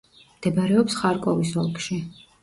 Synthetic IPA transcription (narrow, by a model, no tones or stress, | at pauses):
md̪̥ɛbaɾɛɔpsχaɾkʼɔvisɔlˠkʼʃi